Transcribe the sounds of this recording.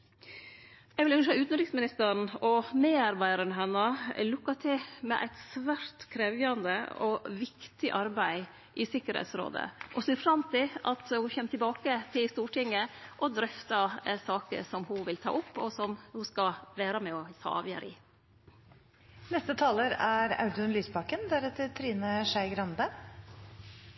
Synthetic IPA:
jɛɡʋɪlʉnʂhɑʉːt̪n̩ɾɪksmɪnɪst̪əɾɳɔmeːɑɾbæɪɑɾənɦɛnːɑlʊkːɑt̪ʰɪmɛ̰ʔæ̰ɪt̪sʋæːɾt̪kʰɾeʋjɑnd̪ə̰ɔʋɪkt̪ɪʔɑɾbæɪ | ʔɪsɪkəɾhɛ̰ːt̪sɾo̰ːd̪ə̰ʔɔsɪfɾɑmt̪ʰɪʔɑt̪hʊçɛnːt̪ɪbɑːkət̪ʰɪlst̪uːʈɪŋːəʔɔd̪ɾœft̪ɑsɑːkə̰ʂɔmhʊʋɪlt̪ʰɑ̰ːʔʊpːɔsɔmhʊskɑʋæːɾɑmɛɔt̪ʰɑ̰ːʋjə̰ɾʔɪ̰ | nɛst̪ət̪ʰɑːləɾæɾɑ̰ʉd̪ʉnlyːspɑkənd̪æɾɛt̪ːəɾt̪ʰɾiːnəʂæɪɡɾɑnd̪ə

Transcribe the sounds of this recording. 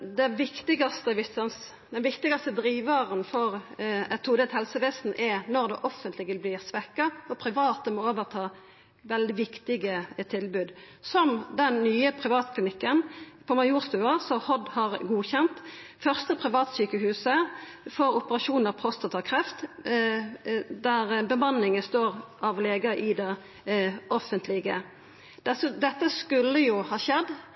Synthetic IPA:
d̪ɛʋɪkt̪ɪɡɑst̪əʋɪsəns | d̪ɛnʋɪkt̪ɪɡɑst̪əd̪ɾiːʋɑʁənfɔʁɛt̪ʰuːd̪ɛt̪hɛlsəʋeːsn̩ʔɛɾnɔʁd̪ɛ̰ʔɔfənt̪lɪɡɪlblɪʁsʋɛkːɑɔpʰɾɪʋɑːt̪əmɔoːʋəʁt̪ʰɑː | ʋɛld̪ɪʋɪkt̪ɪɡət̪ʰɪlbʉːd̪ | sɔmd̪ɛnnyːəpʰʁɪʋɑːt̪kʰlɪnɪkːənpʰɔmɑjuːʁst̪ʉːəʁsɔhɔd̪hɑʁɡuːçɛnt̪fœʁst̪əpʰʁɪʋɑːt̪syːkəhʉːsə | fɔɾʊpəʁɑʃuːnəʁpʰʁɔst̪ɑt̪ʰɑkʰʁɛft̪ | d̪æɾbəmɑnːɪŋəst̪oːʁʔɑʋleːɡəʔɪd̪ɛ | ʔɔfənt̪ʰlɪɡə | d̪̥ɛsəd̪ɛt̪ːəskʉlːəjʊhɑːɕɛd̪ː

